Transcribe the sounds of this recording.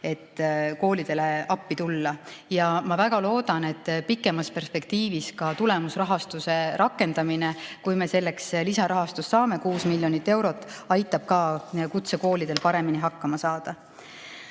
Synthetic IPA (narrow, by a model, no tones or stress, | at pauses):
e̞t̪ːko̞ːlid̪̥e̞le̞ɑpːit̪ulːɑjɑmɑvæɡ̥ɑlo̞ːd̪̥ɑne̞t̪ːpikːˑe̞mɑspe̞rspe̞kt̪iːviskɑt̪ule̞musrɑɦɑst̪use̞ɾɑkːˑe̞nd̪̥ɑminekujme̞se̞lːe̞kslisɑɾɑɦɑst̪usːɑːme̞kuːsmilːjo̞nit̪ːe̞wɾo̞t̪ːˑɑjt̪ːˑɑb̥̚kɑkut̪seko̞ːlid̪̥e̞lpɑɾe̞miniɦɑkːɑmɑsɑːd̪̥ɑ